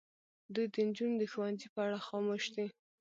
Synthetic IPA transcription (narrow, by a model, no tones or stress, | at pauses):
d̪ujd̪ənd͡ʒund̪əxuwanzipəaɽaxɑmoʃd̪i